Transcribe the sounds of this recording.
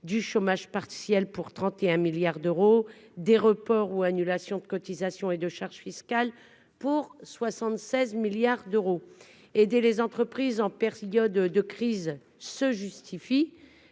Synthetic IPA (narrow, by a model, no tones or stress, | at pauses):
d̪yʃomaʒpaʁsjɛlpuʁt̪χɑ̃t̪eɛ̃miljaʁd̪øʁod̪eʁəpɔʁuanylasjɔ̃d̪əkɔt̪izasjɔ̃ed̪əʃaʁʒfiskʲal | puʁswasɑ̃t̪sɛzmiljaʁd̪øʁo | ed̪elezɑ̃t̪χəpχizɑ̃pɛʁjɔd̪əkχiz | səʒyst̪ʰifi